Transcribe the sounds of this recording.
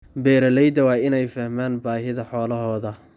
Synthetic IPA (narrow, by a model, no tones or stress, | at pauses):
bɛːɾɐlɛjd̪ɐwɑːɪnɛjfɐhmaːnbaːɦɪðɐħɔːlɐɦɔːðɐ